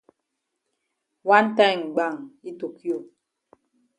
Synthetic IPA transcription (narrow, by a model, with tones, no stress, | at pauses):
wa˦n˦ta˦˨ŋ̩˨ɡ͡ba˦˨ŋi˦to˨kʰi˦o˨